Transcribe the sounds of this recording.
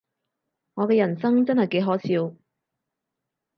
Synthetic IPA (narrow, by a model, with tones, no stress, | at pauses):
ŋɔː˨˧kɛː˧jɐ˨˩nsɐ˥ŋt͡sɐ˥nhɐ˨jke˨˥jɦɔː˨˥sʰiː˧w